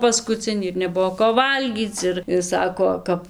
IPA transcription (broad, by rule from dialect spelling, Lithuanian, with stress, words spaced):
pɐskʊˈt͡sʲɪnʲiː ɪr nʲɛˈbʊʋoː koː ˈʋɐlʲɡʲiːt͡s ˈɪr ɪr ˈsɑːkoː ˈkɐp